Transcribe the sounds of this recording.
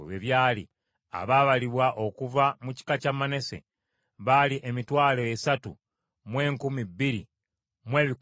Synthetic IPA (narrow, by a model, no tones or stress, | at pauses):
βeβjaːlḭ | a̰βaβaliβwaʔo̞kuvamuci̥kacamane̞se̞̰ | βaliʔe̞mitwaːlo̞esatu | mwe̞ːŋkumibːiɾḭ | mwe̞ːβik